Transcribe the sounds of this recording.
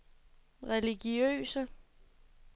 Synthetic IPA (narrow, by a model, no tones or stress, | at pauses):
ʁɛliɡ̥iø̰ːsə